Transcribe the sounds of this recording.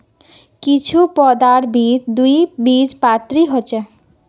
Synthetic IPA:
kit͡ɕʰupɔd̪aɾbʱit̪d̪ujbid͡ʑpat̪ɾiɦot͡ɕe

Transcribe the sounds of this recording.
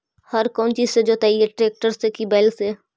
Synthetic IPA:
hɐɾkɔ̃ːnt͡ʃiːsed͡ʒoːt̪aːijeʈɾeːk̚ʈəɾsekibɛːlse

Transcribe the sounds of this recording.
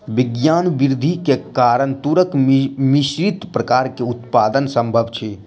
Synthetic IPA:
ʋɪɡjaːnʋɪɾd̪ʱikekaːɾəɳt̪uɾəkmiʃɾit̪pɾəkaːɾkeut̪paːd̪ənsəmbʱəbt͡ʃʰe

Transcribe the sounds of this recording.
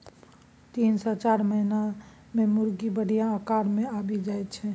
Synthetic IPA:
t̪insɔt͡ʃaɾməɦina | memuɾɡibəɽ̤ijãəkaɾmeabid͡ʒajt̪t͡ʃʰɛ

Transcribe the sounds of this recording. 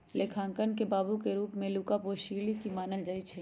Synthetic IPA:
lekʰãːŋkənkebaːbukeɾuːpmẽluːkapoʃiːɾlikimaːnəld͡ʒaːit͡ʃʰɛ

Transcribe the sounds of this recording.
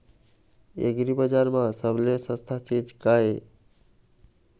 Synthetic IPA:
ḛɡɾibəd͡ʒaɾmãsəblesə̃st̪ʰat͡ʃid͡ʒkae

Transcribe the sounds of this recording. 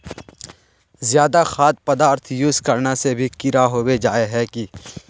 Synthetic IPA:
zjaːd̪axaːt̪̚pɐd̪aːɾt̪ʰjuskɐɾnasebʱikɪɾaɦoːwed͡ʒaːeɦɛki

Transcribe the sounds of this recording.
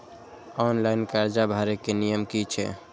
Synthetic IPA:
ɔnlaɪnkaɾd͡ʒabʱaɾekenijəmkit͡ʃʰɛ̰

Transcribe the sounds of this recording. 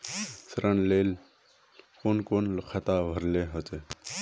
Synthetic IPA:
sɾɐnleːl | koːnkoːnxʰɐt̪aːʋʱəɾleɦot̪e

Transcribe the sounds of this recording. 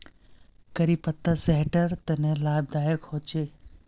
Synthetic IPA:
kɐɾipɐt̪ːaseɦʈəɾt̪ɐnẽlaːb̚d̪aːjəkhoːt͡ʃeː

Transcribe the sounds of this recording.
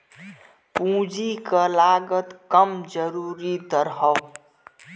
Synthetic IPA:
pũd͡ʒikʌlaɡət̪kʌmd͡ʒəɾuɾid̪ʌɾɦʌ

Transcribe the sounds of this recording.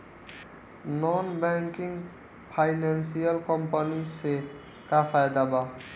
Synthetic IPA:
nɔnbɛŋkiŋ | pʰajnansialkɔmpanise | kafʰajd̪aba

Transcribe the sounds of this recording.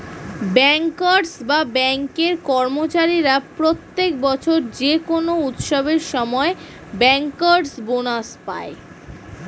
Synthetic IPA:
bɛŋkaɾsbabɛŋkeɾkɔɾmot͡ɕaɾiɾapɾot̪ːekbɔt͡ɕʰoɾd͡ʑekonout̪ʃobeɾʃɔmɔe | bɛŋkaɾsbonaspa̰e

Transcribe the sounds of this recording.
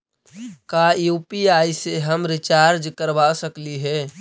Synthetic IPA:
kajupiaiseɦəmɾɪt͡ʃaɾd͡ʒkəɾbasəkliɦɛ

